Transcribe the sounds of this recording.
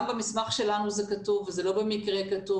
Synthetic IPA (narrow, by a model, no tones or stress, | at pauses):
mbamismaχʃe̞lanuzekatuvezelobe̞mikʁekatu